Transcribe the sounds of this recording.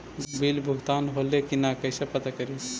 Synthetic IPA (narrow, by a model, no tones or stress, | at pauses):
bilbʱuɡt̪anɦolekinakəɪsẽpət̪akəɾis